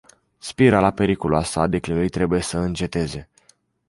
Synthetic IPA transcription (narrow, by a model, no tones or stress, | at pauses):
spiɾalape̞ɾikuluasa̰d̪e̞kliijt̪ɾe̞buje̞səɨnt͡ʃe̞t̪e̞ze̞